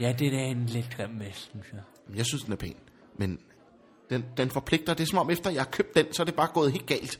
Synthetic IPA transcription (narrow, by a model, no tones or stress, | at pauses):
jæd̥edæenled̥ʰʁɛmmesynsjɑ | mjɑ̈ɪsynsd̥enæɐpʰɛ̰ːn | men | d̥end̥enfɒ̽pʰle̝ɡ̥̚d̥ɐd̥e̝sɒ̽mɒ̽mefd̥ɐjɑ̈hɑ̈kʰø̰b̥̚d̥ensɒæɐd̥e̝b̥ɑ̈ːɡ̥ɔ̽ːð̞̩ˠe̝̰ːld̥ɡ̥ɛ̰ːld̥